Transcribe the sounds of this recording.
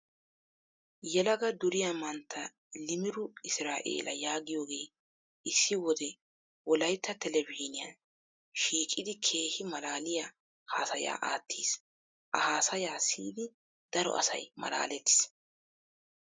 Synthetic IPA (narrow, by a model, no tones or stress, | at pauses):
jɛlɐɡɐd̪ʊɾɪjamɐnt̪ʰːɐ | lɪmɪɾʊɪsɾaːʔḛːlɐjaːɡɪjo̞ːɡe̞ː | ʔɪsːɪwɔd̪ɛ | wɔlɐjt̪ʰːɐt̪ɛlɛviːnɪjɐ̰n | ʃiːkʼɪd̪ɪkʰe̞ːhɪmɐlaːlɪja | haːsɐja̰ːʔa̰ːt̪ʰːiːs | ʔɐhaːsɐjaːsḭːd̪ɪ | d̪̥ɐɾɔ̰ʔɐ̰sɐ̰jmɐ̰la̰ːlɛt̪ːɪ̥s